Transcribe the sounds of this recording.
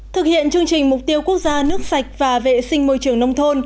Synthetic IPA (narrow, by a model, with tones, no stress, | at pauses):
t̪ʰɨ˨˩k̚hḭ˧˨ənt͡ɕɨ˧əŋt͡ɕï˨˩ŋ̟mʊ˨˩k͡p̚t̪i˧əwku˦˥ək̚zaː˧nɨ˦˥ək̚sa˨˩k̟̚vaː˨˩vḛ˧˨sï˧ŋ̟mo˧jt͡ɕɨ˧˩əŋnə˧wŋ͡mt̪ʰo˧n